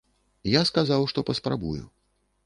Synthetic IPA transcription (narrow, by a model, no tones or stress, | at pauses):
jaskazawʂt̪ɔpɐspɾa̰bṵjṵ